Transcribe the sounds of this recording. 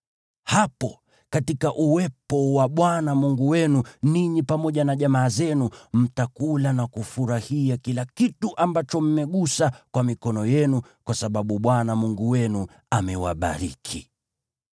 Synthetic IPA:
hapɔ | katikaʔuwɛpɔwaɓwanamuŋɡuwɛnuniɲipamɔʄanaʄamaːzɛnum̩takulanakufuɾahiakilakituʔambat͡ʃɔm̩mɛɠusakwamikɔnɔjɛnukwasaɓaɓuɓwanamuŋɡuwɛnu | amɛwa̰ɓa̰ɾikʰi

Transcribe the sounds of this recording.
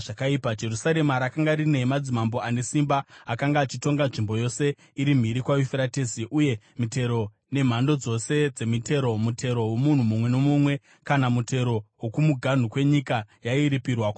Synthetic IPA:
ʐakaipad͡ʒe̞rusaɾe̞maɾakaŋɡaɾine̞mad͡zimambo̞ane̞simbaakaŋɡaːt͡ʃito̞ŋɡanʐimbo̞jo̞se̞ | iɾim̤iɾikwaifeɾatesiʔuje̞ | mite̞ɾo̞ | ne̞m̤ando̞d͡zo̞se̞d͡ze̞mite̞ɾo̞mutʰe̞ɾo̞womun̤umumwe̞no̞mumwe̞ | kanamute̞ɾo̞wokumuɡʱan̤ukwe̞ɲikajaiɾipirwak

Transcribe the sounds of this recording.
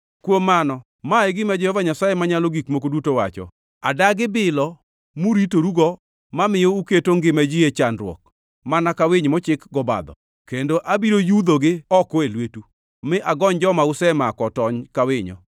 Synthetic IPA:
kwomːanɔ | maeɡɪmad͡ʒɛhɔvaɲasajemaɲaloɡikmok̬odutowat͡ʃɔ̰ | a̰daɡɪbɪlɔ | muɾitoɾuɡɔ | mamɪjɔuketoŋɡɪmad͡ʒɪet͡ʃanɾwɔ̰k̚ | manakawɪɲmɔt͡ʃɪkɡɔba̰d̪ɔ̰ | kendoʔabiɾojud̪oɡɪɔkɔelwetu | mɪʔaɡɔɲd͡ʒɔmaʊsɛmakɔtɔɲkawɪɲɔ̰

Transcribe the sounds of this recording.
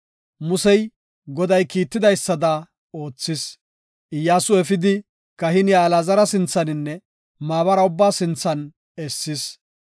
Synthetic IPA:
mʊsɛj | ɡɔd̪ɐjkiːt̪ːɪd̪ɐjsːɐd̪ɐ | o̞ːt͡sːɪs | ʔɪjːaːsʊɛfɪd̪ɪ | kɐɦɪnɪjaːlaːzɐɾɐsɪnt͡sːɐnɪnːɛ | maːβɐɾɐʊbːaːsɪnt͡sːɐn | ɛsːɪs

